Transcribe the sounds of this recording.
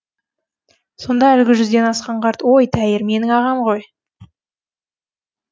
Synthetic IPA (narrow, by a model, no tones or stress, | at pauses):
so̞nd̪ɑælɡʲɪʒʏzd̪e̞nɑsqɑɴqʰɑɾt̪wo̞jt̪ʰæjɪɾme̞nɪŋɑʁɑmʁo̞j